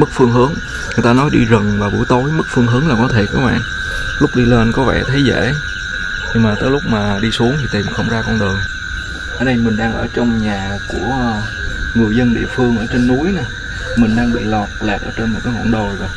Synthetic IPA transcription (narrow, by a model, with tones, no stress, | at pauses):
mɨ˦˥k̚fɨ˧əŋɦɨ˨˦ən | ŋɨ˨˩əjt̪aː˧nɔ˨˦jɗi˧zə˨˩ŋvaː˨˩ɓṵ˧˩˦jt̪o˨˦jmɨ˦˥k̚fɨ˧əŋɦɨ˨˦nlaː˨˩kɔ˨˦t̪ʰe˧˩kaː˨˦˥k̚mɓa̰ː˧˨n | lʊ˦˥k͡p̚ɗi˧le˧nkɔ˨˦vɛ̰˧˩t̪ʰe˨˦zḛ˧˩˨ | ɲɨ˧ŋmaː˨˩t̪əː˨˦jlʊ˦˥k͡p̚maː˨˩ɗi˧su˨˦əŋt̪ʰi˨˩t̪ʰi˨˩nxə˧wŋ͡mzaː˧kɔ˧nɗəː˨˩əj | ʔəː˧˩ɗə˧jmï˨˩ŋ̟ɗaː˧ŋʔə̰ː˧˩t͡ɕɔ˧wŋ͡mɲaː˨˩ | ku˧˩ə | ŋɨ˨˩əjzə˧nɗḭ˧˨əfɨ˧əŋʔəː˧˩t͡ɕe˧nːu˨˦əjna˨˩ | mï˨˩ŋ̟ɗaː˧ŋɓḭ˧˨lɔ˨˩t̚laː˨˩k̚ʔəː˧˩t͡ɕe˧nm̚˨˩kaː˨˦ŋa̰˧˨nɗo˨˩jva˨˩